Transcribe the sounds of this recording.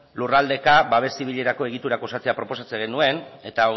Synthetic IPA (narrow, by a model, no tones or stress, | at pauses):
lurald̪e̞kabaβ̞e̞st̪iβiʎe̞ɾako̞e̞ɣ̞it̪uɾakosat͡se̞apɾo̞po̞sat͡seɣenue̞ne̞t̪ao